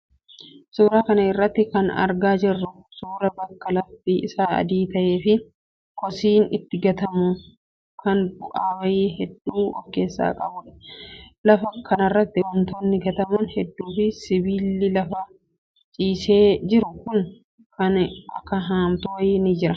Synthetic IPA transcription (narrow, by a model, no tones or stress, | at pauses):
suːɾaːkɐnɐɪrːɐt̪ːɪkɐnɐ̰ɾɡaːd͡ʒɪrːʊ | suːɾɐbɐkːɐlɐftiʔɪsaːɐ̰d̪iːt̪ɐʔeːfɪ | kɔsiːnɪt̪ːɪɡɐt̪ɐmʊ | kʰɐnbʊʔaːwɐjiːɦɛd̪ːuːɔ̰fke̞ːsːa̰ːkʼɐbʊᶑɐ̥lɐfɐkɐnɐrːɐt̪ːɪwɐnt̪oːnːɪɡɐt̪ɐmʊnhɛd̪ːuːfɪsɪbiːlɪlɐfɐ | t͡ʃʼiːseːd͡ʒɪɾʊkʊn | kɐnɐ̰kːɐɦaːmt̪ʊjiːnɪd͡ʒɪɾɐ